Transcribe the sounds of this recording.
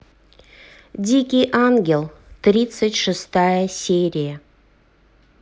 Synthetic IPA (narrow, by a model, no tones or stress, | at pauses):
d̪ʲikʲiʔaŋɡʲe̞lˠt̪ɾʲit̪sɨtʲʃɨst̪ɑjəsʲeɾʲija